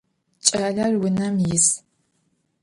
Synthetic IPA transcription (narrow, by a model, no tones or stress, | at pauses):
t͡ʃʼɐːɮɐrwʊnɐmjɪs